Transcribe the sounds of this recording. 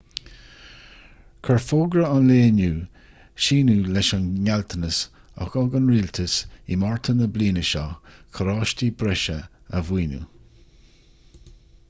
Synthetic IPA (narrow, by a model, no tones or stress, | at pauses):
kʰəɹfoːɡɾəanleːnuː | ʃiːnuːlɛʃanɲalt̪ʰənəs | ɔ̰xɔɡənɹiːlt̪ʰəsimɔɹt̪ʰənəbliːnəʃɑkʰəɾɑːʃtibɾɛʃəəviːnṵ